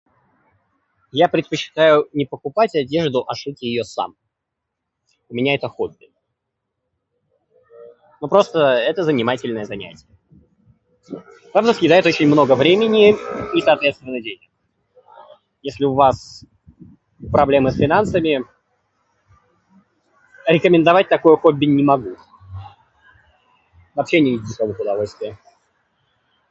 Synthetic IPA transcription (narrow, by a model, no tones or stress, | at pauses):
japɾʲɪt̪̚pət͡ɕːɪ̥t̪ajʊnʲɪpəkʊpatʲɐdʲe̞ʐd̪ʊʔɐʂɨkʲɪjɪjo̞sa̰m | ʊmʲɪnʲaɛt̪əxob̚ʲɪ | nopɾo̞st̪əɛt̪əzənʲɪmatʲɪlʲnəjəzɐnʲæ̰tʲɪjə | vavzəsʲjʲɪd̪ajɪt̪o̞t͡ɕɪnʲmno̞ɡəvɾʲemʲɪnʲɪisɐːt̪vʲet̪st̪vʲɪnːədʲenʲɪk | jesʲlʲɪʊvas | pɾɐblʲe̞mɨsfʲɪnansəmʲɪ | ɾʲɪkəmʲɪnd̪ɐvat̚ʲt̪ɐkojʊxobʲːɪnʲɪmɐɡu | vɐpɕːenʲɪvʲɪzʲdʲɪsovəxʊd̪ɐvo̞lʲst̪vʲɪjə